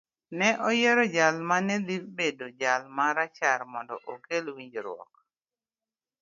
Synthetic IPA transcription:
nɛʔɔjɛɾɔd͡ʒalmanɛlibedod͡ʒalmaɾat͡ʃaɾmɔndɔʔokelwiɲd͡ʒɾwɔ̰k̚

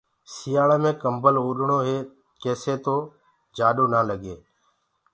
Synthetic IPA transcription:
sijaːɭemẽːkəmbəloːɗɳoːɦeː | keːseːt̪oː | d͡ʒaːɗoːnaːləɠeː

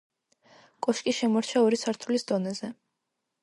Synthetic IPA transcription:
kʼɔʃkʼiʃɛmɔɾt͡ʃʰaɔɾisaɾt̪ʰulisd̪ɔnɛzɛ

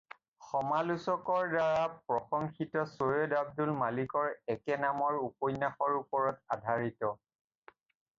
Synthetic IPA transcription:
xɔmalusɔkɔɹdaɹapɹɔxɔŋxitɔsojɔdab̚dulmalikɔɹɛkɛnamɔɹupɔjnːaxɔɹupɔɹɔtadʱaɹitɔ

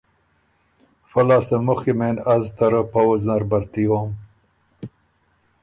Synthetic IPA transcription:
fɐlaːsemuximenɐzt̪ɐɾəpɐwuznaɾbɐɾt̪ijoːm

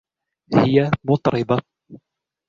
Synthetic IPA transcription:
hɪjamʊt̪ˤɾɪba

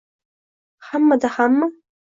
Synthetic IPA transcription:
ħamːadaħamːa

